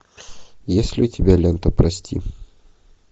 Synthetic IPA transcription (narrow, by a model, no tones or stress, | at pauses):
jesʲlʲɪʊtʲɪbʲalʲent̪əpɾɐsʲtʲḭ